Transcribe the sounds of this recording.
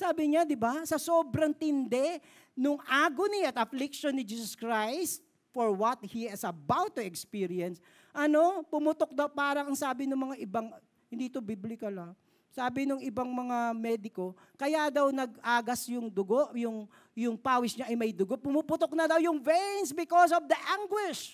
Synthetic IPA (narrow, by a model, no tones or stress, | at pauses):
saːbɪɲad̪ɪbasɐso̞ːbɾɐŋt̪ɪnd̪ɛ | nʊŋʔaːɡoniɐt̪ʔɐflɪk̚ʃonːɪd͡ʒiːs̬ɐskɹajst̪̚ | foɹwɐt̪̚hiɪsɐbawt̪ːʊɛkspiɾiɛns | ʔɐno̞pʊmʊt̪ok̚d̪ɐwpaːɾɐŋɐŋsaːbɪnʊŋmɐŋaʔɪbaŋ | hɪ̃nd̪iːt̪obiblɪkɐlɐ | saːbɪnʊŋɪbaŋmɐŋamɛːd̪ɪko̞ | kɐjad̪ɐwnɐɡʔaːɡɐsjʊŋd̪ʊɡoʔjʊŋ | jʊŋpaːwɪsɲaʔɐjmɐjd̪ʊɡoʔpʊmupʊt̪ok̚nɐd̪ɐwjʊŋvɛnsbɪkos̬ɔvd̪ɐʔaŋɡwɪʃ